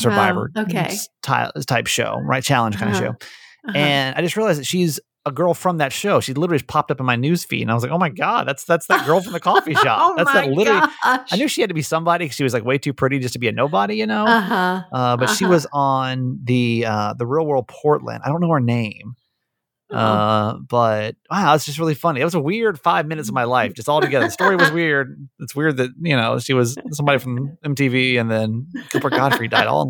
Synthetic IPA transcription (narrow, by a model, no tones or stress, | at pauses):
sə˞vaɪvə̰˞oʊkʰeɪtʰa̰ɪtʰaɪpʃo̰ʊɹaɪt̚t͡ʃʰælˠə̃nʒ̥kʰãɪ̃nɨʃo̰ʊɨ̃na̰ɪd͡ʒʌstɹiəlaɪzðɨtʃiz | əɡɜ˞lˠfɹʌ̃mðɨtʃoʊʃizlɪɾə˞l̩ˠipʰɑp̚tʌpn̩maɪnʉz̥fḭtɨ̃naɪwʌzlakoʊmaɪɡɑd̚ðætsðætsðɨt̚ɡ̥ɜ˞lˠfɹʌ̃mðɨkʰɔfiʃɑ̰ðætsðɨtˡlɪɾə˞l̩ˠiaɪnjʉʃihæd̚tɨbisʌ̃mbɑɾikʰʌz̥ʃiwʌzlaɪkweɪtʰʉpʰɹ̥ɪɾid͡ʒʌstʰəbiɨnoʊbɑɾijɨnoʊɦʔʌbʌtʃiwʌzn̩ðɨʌðɨɹil̩ˠwɜ˞lˠd̚pʰɔɹtˡlə̰̃ndaɪdõʊ̃nːoʊə˞nẽɪ̃m | ʔʌb̥ʌt̚awʌzd͡ʒʌst̚ɹɪlˠifʌniɨt̚wʌzəwɪɹd̥faɪvmɪ̃nɨtsʌvmaɪlaɪfd̥ʒ̥ʌstɔlˠtʰɨɡɛðə˞ðstɔɹiwʌzwɪɹd̚ɨtswɪɹd̪̚ðɨt̚jɨnoʊʃiwʌz̥sʌ̃mbɑɾifɹʌ̃mɛ̃mtiviɨ̃nðɨ̃nkʰʌpə˞ɡɑdfɹidaɪɾɔ̰lˠ